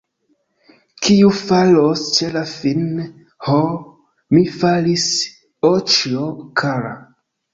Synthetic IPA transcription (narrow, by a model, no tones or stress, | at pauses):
kʰiufalost͡ʃelafin | ho | mifalis | ot͡ʃokʰaɾa̰